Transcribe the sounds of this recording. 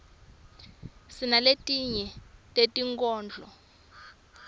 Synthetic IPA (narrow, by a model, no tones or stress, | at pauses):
sinaletʼiɲɛtʼetʼiŋkʼɔːnd͡ɮʱɔ̰